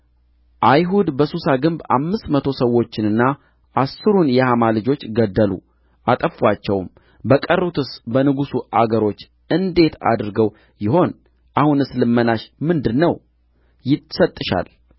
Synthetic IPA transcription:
ʔajɦud̪bəsusaɡɨmba̰mːɨst̪mət̪ʰo̞səwːo̞t͡ʃːɪnɨnːa | ʔasːɨɾunjɛhamalɨd͡ʒo̞t͡ʃːɡəd̪ːəlṵ | ʔat̪ʼəfat͡ʃːɛwm | bəkʼərːut̪ʰɨsbənɨɡusuʔaɡəɾo̞t͡ʃː | ɨnd̪e̞t̪ʰa̰d̪ɾɡəw | jɪho̞n | ʔahunɨslɨmːənaʃmɨnd̪ɨnːəw | jɪt̪sət̪ʼːɨʃa̰l

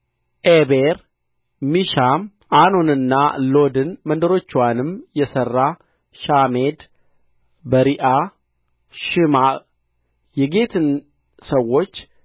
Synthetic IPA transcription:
ʔebeɾ | miʃam | anonɨnːa̰lo̞d̪ɨnmənd̪əɾo̞t͡ʃːwanɨmjɛsərːa | ʃamed̪ | bəɾiʔa | ʃɨma | jɛɡe̞t̪ʰɨn | səwːo̞t͡ʃː

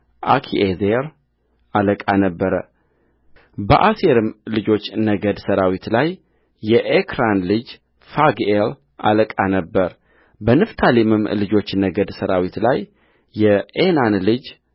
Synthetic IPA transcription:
ʔa̰kʰḭʔezeɾ | aləkʼanəbːəɾə | bəʔaseɾɨmlɨd͡ʒo̞t͡ʃːnəɡəd̪səɾawit̪lajː | ɛʔekʰɾanlɨd͡ʒ | faɡel | ʔa̰ləkʼanəbːəɾ | bənɨft̪ʰalimɨmːlɨd͡ʒo̞t͡ʃːnəɡəd̪səɾawit̪lajː | ɛenanlɨd͡ʒ

